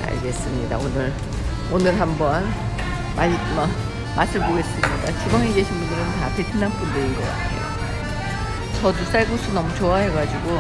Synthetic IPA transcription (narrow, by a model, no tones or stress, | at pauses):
a̰ɭɡe̞s͈ɯmɲḭda̰onɯɾ | onɯɾɦambʌn | mamʌ | mas͈ʰɯmboɡe̞s͈ɯmɲidat͡ɕʰibʌŋiɡe̞ɕʰimbundɯɾɯntapepʰinanp͈undɯɾiŋɡʌka̰tʰe̞̰jo̰ | t͡ɕʌdus͈aɭɡos͈ʰunʌmut͡ɕoaɦe̞ɡad͡ʑiɡo